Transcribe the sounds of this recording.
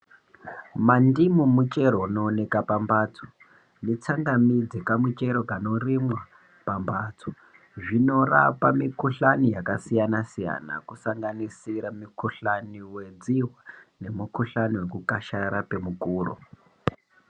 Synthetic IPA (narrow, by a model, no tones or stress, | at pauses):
mandimumut͡ʃe̞ɾonoːne̞kapambaːtʰo̥ | net͡saŋɡamid͡zekamut͡ʃe̞ɾo̞kano̞rimwa | pambatʰo̥ | ʐino̞ra̰pamikuɬanijakasijanasija̰na̰kusaŋɡanisiɾamikuɬaniwe̞d͡ziɦwane̞mukuɬaniwe̞kukaʃaɾape̞mukuːro̰